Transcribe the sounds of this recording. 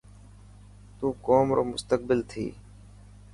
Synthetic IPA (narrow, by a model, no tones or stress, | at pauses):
t̪uːkoːmɾo̰ːmʊst̪ək̚bɪlt̪ʰḭː